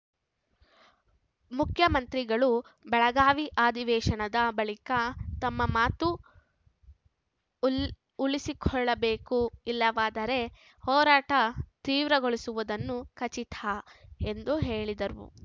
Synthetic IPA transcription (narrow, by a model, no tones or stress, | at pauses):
mukʰjɐmɐnt̪ɾiɡɐɭubɛɭɐɡaːʋiʔaːd̪iʋɛːʃɐnɐd̪ɐbɐɭikɐt̪ɐmːɐmaːt̪u | lisikʰɔɭːɐbeːkuilːɐʋaːd̪ɐɾe̞ | hɔːɾaːʈɐt̪iːʋɾɐɡoɭisuʋud̪ɐnːukʰɐt͡ʃit̪ʰaːe̞nd̪uɦe̞ːɭid̪ɐɾṵ